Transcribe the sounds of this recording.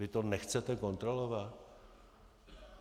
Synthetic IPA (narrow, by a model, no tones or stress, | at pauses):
ɪt̪onɛxt͡sɛt̪ɛko̞nt̪ɾo̞lo̞vat̪